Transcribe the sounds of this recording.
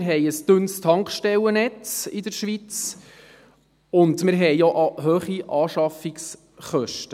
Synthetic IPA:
ɾɦɛjəsd̥ɵnstʰɑŋkχʃtɛlənɛt͡sɪdəɾʃʋit͡s | ʊndmɪɾɦɛjoʔɑɦœːχiʔɑːʃɑfiks | χœʃtə

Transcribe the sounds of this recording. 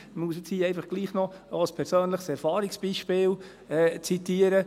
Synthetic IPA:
muəs̬ət͡shiːɛɪfɑχɡ̥liːχnɔ | oəspʰɛɾsøːnləχsɛɾfɑːɾiksb̥iːʃpɪːl | ɛːt͡sit̪iːəɾə

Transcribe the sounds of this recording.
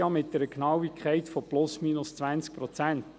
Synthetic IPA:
ɑmɪt̚d̥ɛɾəknɑwikʰχɛɪtfoplʊsmiːnʊst͡svænt͡sk̚pɾɔt͡sænt

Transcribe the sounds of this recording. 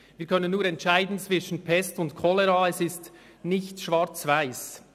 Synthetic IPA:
viːkʰœnənːuːɐɾɛntʃaɪdn̩t͡sv̥ɪʃən̩pʰɛstʊntkʰɔlɛɾɑːɛsɪst | nɪçtʃv̥ɑɾt͡svaɪs

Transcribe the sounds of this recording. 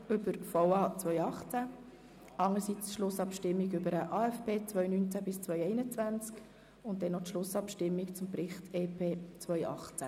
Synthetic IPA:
ʏbəɾfɔʊɑːt͡sʋœjɑχt͡sæ | ɑŋəɾsit͡sʃlʊsɑpʃtɪmːiɡʏbəɾəʔɑːɛfbeːt͡svœɥnynt͡sæbɪst͡sʋœʏɛɪnət͡sʋænt͡sk | ʊntdɛnːɔtʃlʊsɑpʃtɪmːikt͡sʊmpɾɪχtʰeːpʰeːt͡sʋœʏɑ̰χt͡sæ

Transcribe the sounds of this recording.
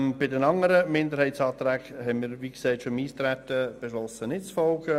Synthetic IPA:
mb̥ɪdɛnɑŋəɾəmɪnd̪əɾhiɪtsɑːt̪ɾɛːɡhɛnmiːɾʋiːɡ̥sɛɪtfomiːst̪ɾæt̪əb̥eʃlɔsənɪtt͡sfɔlɡə

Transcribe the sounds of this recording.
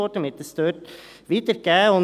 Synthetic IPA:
oːʈəmɪt̪ːəst̪øːʈʋiːt̪əɾkæɔn

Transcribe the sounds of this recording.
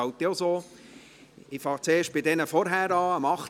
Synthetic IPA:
ɑʊt̪iozoː | ɪfɑːt͡seːʃt̚b̥ɪdɛnəfɔɾɦæːɾɑːəmɑχt

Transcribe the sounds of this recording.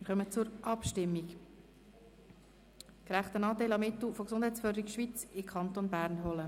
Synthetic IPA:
ɪɾχœmət͡sʊɾʔɑpʃtɪmːik | kɾæχt̪ənɑːtelɑmɪt̪l̩foksʊnd̥hæɪtt͡sføːɾdəɾikʃʋit͡sɪkʰɑnt̪onbæːɾnɦɔlə

